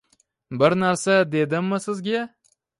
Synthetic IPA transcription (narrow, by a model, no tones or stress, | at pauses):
bɪɾnaɾsad̪e̞d̪ɪmːɪsɪzɡʲe